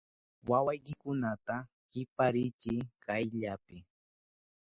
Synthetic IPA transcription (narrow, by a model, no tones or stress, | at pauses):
wawajkɪkʊnat̪a | ɢɪpaɾɪt͡ʃɪkajʎapɪ